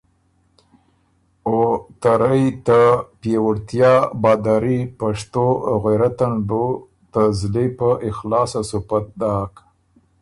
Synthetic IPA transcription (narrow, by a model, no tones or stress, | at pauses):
ot̪aɾajt̪apjewʊɽt̪jɑbɑd̪ɑɾipaʂt̪oɣaɾat̪anbo | t̪əzlepəʔɪxlɑsasupat̪̚d̪ɑk